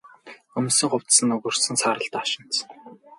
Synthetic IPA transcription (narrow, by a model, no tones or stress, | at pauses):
ɵmsɘ̆ŋχʊw̥t̪sɘ̆nːɵɣɵ̆r̥sɵ̆nsaːɾə̆ɬt̪aːʃɪ̆n̥t͡s